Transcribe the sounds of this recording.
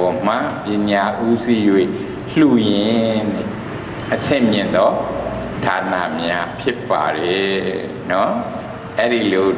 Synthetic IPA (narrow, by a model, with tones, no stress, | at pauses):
ɔ˨m̥ã̰˦˨pjɪ̃˨ɲa˨ʔu˦zi˦jwḛ˦˨ | l̥u˨jɪ̃˨ | ʔəsʰɪ̃˦˨mjɪ̃˨nd̪ɔ˦ | d̥a˨na̰˨mja˦pʰjɪ˦pːa̰˨ɾɛ˨˦ | nɔ˦ | ʔɛ˦ɾi˨lo˨